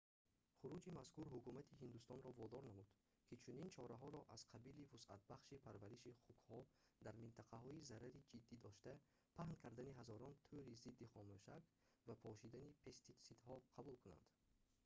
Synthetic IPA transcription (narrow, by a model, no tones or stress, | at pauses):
χuɾud͡ʒimaskuɾɦukumat̪ʰiɦind̪ust̪ɔnɾɔvɔd̪ɔɾnamud̪̥ | kʰit͡ʃʰunint͡ʃʰɔɾaɦɔɾɔʔaz̥qʰabilivusʔa̰t̪̚baχʃipʰaɾvæɾiʃiχukhɔd̪aɾmint̪ʰaqʰaɦɔizaɾaɾid͡ʒid̪ːid̪ɔʃt̪æ | pʰahnkʰaɾd̪aniɦazɔɾɔnt̪ʰuɾizid̪ːiχɔmuʃak | vapʰɔʃid̪anipʰest̪isid̪hɔqʰabulkʰuna̰nd̪̥